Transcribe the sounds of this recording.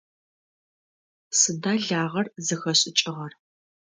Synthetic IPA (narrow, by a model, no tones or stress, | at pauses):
sɨdaːɮaːʁɐrzɨxɐɕʼɪt͡ʃʼɪʁɐr